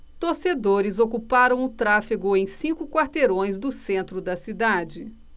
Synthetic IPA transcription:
t̪oɾsed̪oɾɪzokupaɾɐ̃w̃ʊt̪ɾafiɡʊẽj̃sĩkʊkwaɾt̪eɾõj̃zd̪ʊsẽnt̪ɾʊd̪ɐsid̪ad͡ʒɪ

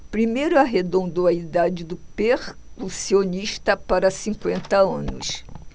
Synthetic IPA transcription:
pɾimejɾʊaɦed̪õnd̪oɐid̪ad͡ʒɪd̪ʊpeɾkusioniʃt̪ɐpaɾɐsĩkwẽnt̪ɐɐ̃nʊ̰s

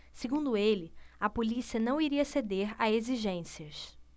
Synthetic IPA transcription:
seɡũnd̪ʊelɪɐpolisiɐnɐ̃w̃iɾiɐsed̪eɾaeziʒẽsiɐs

